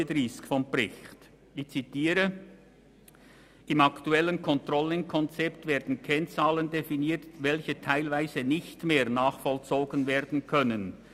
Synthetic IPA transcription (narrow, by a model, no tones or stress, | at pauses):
ədɾiskfɔmbrɪçt | ɪçt͡sitiːɾə | ɪmaktuɛlːənkʰɔntʁɔlɪŋkʰɔnt͡sɛptveːɐdn̩kʰɛnt͡saːləndefiniːtvɛlçətʰaɪlvaɪzənɪçtmeːʁnaːχfɔlt͡soːɡənveːɐdn̩kʰœnən